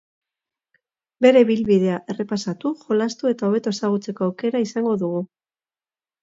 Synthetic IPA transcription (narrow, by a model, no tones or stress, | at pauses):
be̞ɾe̞βilβið̞e̞aʔe̞re̞pasat̪uxo̞last̪ue̞t̪ao̞β̞e̞t̪o̞esaɣ̞ut͡se̞ko̞awke̞ɾaisaŋɡo̞ðuɣ̞u